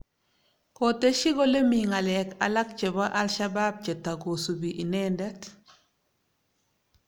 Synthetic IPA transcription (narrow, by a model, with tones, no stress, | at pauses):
ko˨te˦ʃi˦ɡo˦le˦mi˨ŋa˨lɛka̰˨la˦k̚t͡ʃɛ˨ba˦ʔa˦lʃa˦ba˦b̚t͡ʃɛ˨ta˨ɡo˨su˨biʔi˨nɛndɛ˦t